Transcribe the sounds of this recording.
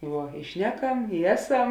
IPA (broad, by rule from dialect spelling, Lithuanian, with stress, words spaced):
ˈʋuɔ ɪ ˈʃʲnʲæːˌkɐm ɪ ˈæːˌsɐm